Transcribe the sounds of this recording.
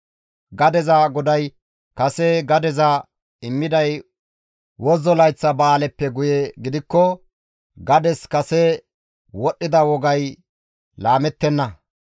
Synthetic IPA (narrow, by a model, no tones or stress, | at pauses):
ɡɐd̪ɛzaɡɔd̪ɐj | kɐsɛɡɐd̪ɛza | ɪmːɪd̪ɐj | wɔzɔlɐjt͡sːɐbɐːlɛpːɛɡʊjɛɡɪd̪ɪkːɔ | ɡɐd̪ɛskɐsɛ | wɔɗːɪd̪ɐwɔɡɐj | laːmɛt̪ːɛnːɐ